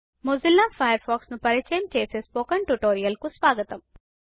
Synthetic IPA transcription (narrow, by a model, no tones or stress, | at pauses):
mozilːaːfʰɐjɐɾpʰɔːksnupɐɾit͡ʃɐjɐmt͡ʃeːsespoːkɐɳʈuʈoːɾijɐlkusʋaːɡɐt̪ɐm